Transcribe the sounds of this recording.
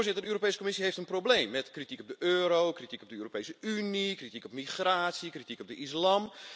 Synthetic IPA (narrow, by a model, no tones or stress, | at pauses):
ɹzɪtədəøːrop̬ejsəkomɪsiɦeftənprowbleːmːɛtkritikɔp̚dəʔøːɾowkritikɔb̚dəøːropejsəynikritikɔpmixraːtsikritikɔp̚dəislam